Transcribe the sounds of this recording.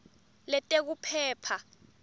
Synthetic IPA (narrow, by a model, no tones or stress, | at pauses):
lɛtʼek̬upʰɛːpʰa